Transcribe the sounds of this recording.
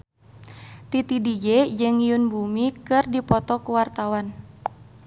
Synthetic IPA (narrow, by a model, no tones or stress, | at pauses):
t̪it̪idid͡ʒed͡ʒɨŋijunbumikɨrdipɔt̪ɔkuwart̪awan